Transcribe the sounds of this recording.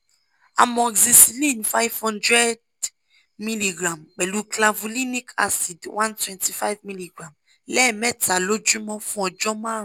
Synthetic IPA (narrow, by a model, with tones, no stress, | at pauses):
a̰˨mɔ̃˨ɡzi˨si˨lĩ˦˨nfa˦jvhɔ̃˦ndɹɛ˦d | mi˦li˨ɡɹã˨mbɛ˨lu˨kla˨vu˨li˦ni˦kʰa̰˦si˨dwʔã˦ntwɛ̃˨nti˨fa˦jvmi˦li˨ɡɾã˨m | lɛ˦mɛ˦tʰa˨lo˦d͡ʒɹũ˦mɔ̃˦fɔ̃˨d͡ʒɔ̃˦mã˦˨